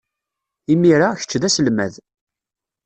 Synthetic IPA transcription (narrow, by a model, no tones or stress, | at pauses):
imiɾaçə̥t͡ʃːðæsəlmæð